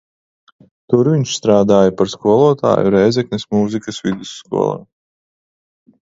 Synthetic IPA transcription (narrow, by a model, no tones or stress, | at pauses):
t̪uɾviɲʃst̪ɾaːd̪aːjapaɾskuɔlˠuɔt̪a̰ːjṵɾɛjzɛknismuzikɐsvid̪isːkṵɔlˠa̰ː